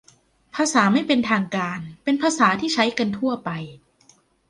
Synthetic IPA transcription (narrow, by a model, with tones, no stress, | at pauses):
pʰaː˧saː˩˦ma˥˩jpe˧nt̪ʰaː˧ŋkaː˧npe˧npʰaː˧saː˩˦t̪ʰiː˥˩t͡ɕʰa˦˥jka˧nt̪ʰu˥˩ɐpa˧j